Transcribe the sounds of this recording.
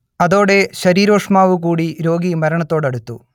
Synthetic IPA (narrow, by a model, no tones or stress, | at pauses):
ɐðo̞ːɽe̞ɕɐɾiːɾo̞ːʂmaːʋuk̬uːɽiɾo̞ːɡimɐɾɐɳɐt̪ːo̞ːɽɐɽut̪ːṵ